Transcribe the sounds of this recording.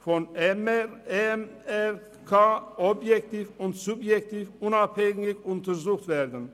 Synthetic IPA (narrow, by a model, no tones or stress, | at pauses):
fɔn | ɛmɛ | kʰaːɔbjɛkt̪iːfʊnt̪sʊbjɛktʰiːfʊnaphɛŋɪçʊntəɾzuːxtvɛːɾdən